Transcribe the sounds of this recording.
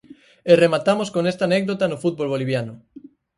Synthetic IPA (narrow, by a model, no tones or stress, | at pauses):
eremat̪amoskoŋest̪aːnɛk̚d̪ot̪anofut̪̚bolβoliβ̞janʊ